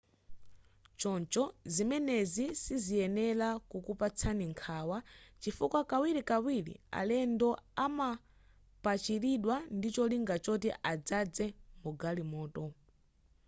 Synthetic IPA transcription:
t͡ʃɔnt͡ʃɔzimɛnɛzisizijɛnɛlakukupat͡sʰaniŋkʰaːwat͡ʃifukwakawiɾikawilḭa̰lɛndɔama | pat͡ʃiɾiɗwandit͡ʃɔliŋɡat͡ʃɔtiʔad͡zad͡zɛmuɡalimɔːtɔ

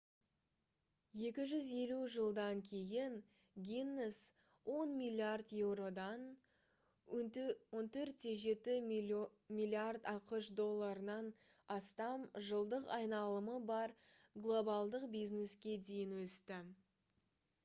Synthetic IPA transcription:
je̞kʲɪʒʏze̞luʒəlˠd̪ɑŋkʲʰe̞jɪŋ | ɡʲinːes | wʔo̞nmijlʲiard̪je̞wɾo̞d̪ɑn | wo̞nt̪ʰɵɾt̪ːeʒe̞t̪ɪ | milʲiard̪ɑqəʃd̪o̞lˠːaɾənɑn | ɑst̪ɑmʒəlˠd̪əqɑjnɑlˠəməbɑɾ | ɡlˠo̞bɑlˠd̪əqbijzne̞skʲe̞d̪e̞jɪnwɵst̪ɪ

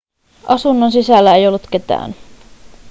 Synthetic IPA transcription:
ʔɑsunːons̬isælːæe̞jo̞lːut̪k̟e̞t̪æ̰ːn

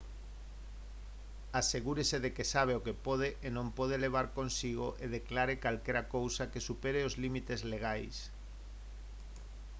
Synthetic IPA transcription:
aseɣuɾeseðekesaβ̞eokepoð̞eʔenõmpoð̞eleβ̞aɾkonsiɣoʔeðeklaɾekalkeɾakowsakesupeɾeozlimit̪ezleɣ̞ajs

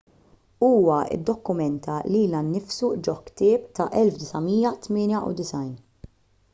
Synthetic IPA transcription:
uːwɐʔɪ̰d̪ːɔkːʊmɛnt̪ʰɐliːlɐnːɪfsud͡ʒɔkːt̪ɪːp̚t̪ɐʔɛlfd̪ɪsɐmiːjɐt̪mɪːnjɐʔṵd̪ɪsɐjn

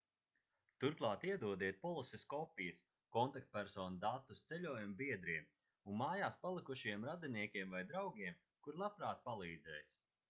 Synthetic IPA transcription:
t̪uɾklˠɑːt̪iɛd̪uɔd̪iɛt̪̚pɔlˠisʲeskɔpʲijɐs | kɔnt̪ak̚t̪̚pʲæɾsɔːnd̪at̪ːust̪sɛʎʲuːjambiɛd̪ɾiɛm | unmaːjaːspalˠikuʃiɛmɾad̪iniɛkʲiɛmvajd̪ɾawɡʲiɛm | kuɾlˠapɾaːt̪̚palˠiːd̪zɛ̰ːjs

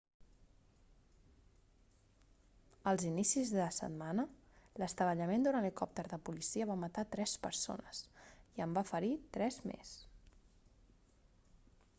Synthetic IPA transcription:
əlˠzinisizðəsə̰t̪̚manə | ləst̪əβəʎəmend̪uɾanlikɔp̚t̪əɾðəpulisiəβamət̪at̪ɾɛspəɾso̰nəsiəmbafəɾit̪ɾɛzmḛs

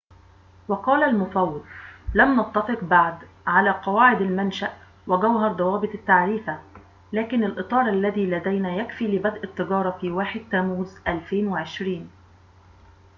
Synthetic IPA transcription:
wɑqɑːlalmʊfɑwːɑd̪̚lamnɑt̪ˤːɑfɨqbaʕd̪ | ʕalæːqɑwaːʕɪd̪almanʃaʔ | wɪɡawɦɑɾˤd̪ˤɑwɑːbɨt̪ˤɪt̪ːaʕɾiːfa | læːkɪnalʔɨt̪ˤɑːɾˤʔalːæðiːlæd̪æjnæːjækfiːlɪbæd̪ʔɪt̪ːɨɡɑːɾˤɑfiːwaːħɪd̪̚t̪ːæːmuːzʔælfeːnwɪʕɪʃɾiːn

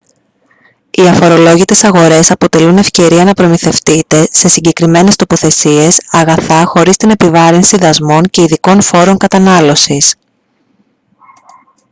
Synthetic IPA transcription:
iɐfo̞ɾo̞lo̞ʝit̪e̞sɐɣo̞ɾe̞sɐpo̞t̪e̞lune̞fce̞ɾiɐnɐpɾo̞miθe̞ft̪it̪e̞se̞siɲɟe̞kɾime̞ne̞st̪o̞po̞θe̞sie̞sɐɣɐθɐxo̞ɾist̪ine̞pivɐɾinsiðɐzmo̞ɲce̞iðiko̞nfo̞ɾo̞ŋkɐt̪ɐnɐlo̞sis

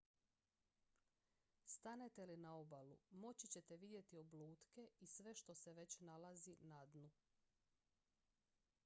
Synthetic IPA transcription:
st̪ane̞t̪elinao̞balumo̞t͡ɕit͡ɕe̞t̪e̞ʋid̪je̞t̪iobluːt̪ke̞isʋe̞ʃt̪o̞se̞ʋe̞t͡ɕnalazinad̪nu

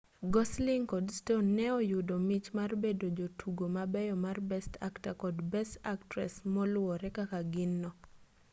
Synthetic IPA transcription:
ɡɔslɪŋkɔdstonːɛɔjʊdomit͡ʃmarbedod͡ʒotʰuɡomabɛjɔmarbɛsta̰ktakɔdbɛstaktɾɛ̰smɔlwɔɾɛkakaɡɪnːɔ

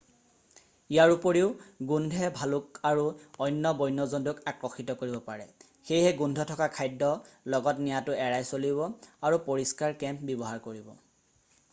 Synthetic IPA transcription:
ijaɹupoɹiʊɡundʱɛbʱalʊk̚aɹuɔjnːɔbɔjnɔzɔndʊkakɹɔxitɔkoɹibɔpaɹɛ | xejhɛɡundʱɔtʰɔkakʰajdːɔlɔɡɔtnijatʊɛɹajsoliβɔaɹupoɹiskaɹkɛmp̚bɔbɔɦaɹkoɹibɔ̰

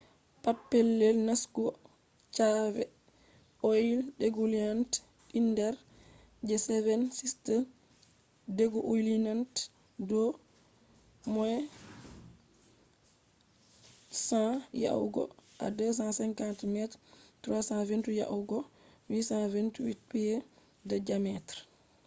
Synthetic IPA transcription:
papːɛlːɛlnaskɔ | t͡ʃavɛ | ʔojildeɡuliant | indɛɾ | d͡ʒɛsɛvɛnsistə | deɡɔʔujlinant | dɔ | mɔɛ | sãja̰uɡɔ̰ʔa̰dɛs̬ãsɛŋkantmɛtɾtɾasãventuja̰ʔuɡɔwisãventuwit̚piɛ | dɛd͡ʒamɛtɾ

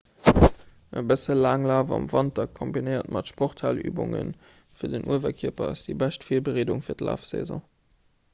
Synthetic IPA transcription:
ʔəbəsəlaːŋlaːvɑ̰mvɑntɑkʰːombinəɪɐtmɑtʃpoχtʰhaly̰ːbʊŋə̰n | fiːɐdənʔuəvɐkʰiɐpɐ̰ɑsd̥ibæʃtfiːɐbəʁeːduŋfiːɐdla̰ːfsḛzɔ̰̃ː

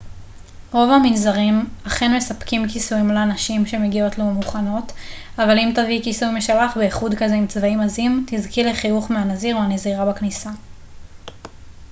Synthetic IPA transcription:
ʁo̞vhaminzaʁimaχenme̞sapkimkisuimleanaʃimʃe̞me̞ɡio̞tlomuχano̞t | avalimtavikisujmeʃalaχbeiχudkazeimt͡svaimazimtizkileχiuχmeanaziʁuaneziʁabaknisa

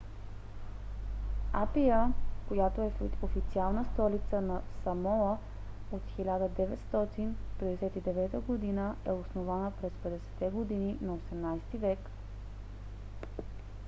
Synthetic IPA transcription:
apijəkojat̪oɛofit̪sialˠnəst̪ɔlit̪sənɐsɐmɔlˠə | ot̪xilʲad̪əd̪ɛvɛt̪st̪ɔt̪inpɛd̪ɛsɛt̪id̪ɛvɛt̪əɡod̪inəɛosnovanəpɾɛspɛd̪ɛsɛ̥t̪ɛɡod̪ininɐosɛmnajst̪ivɛk

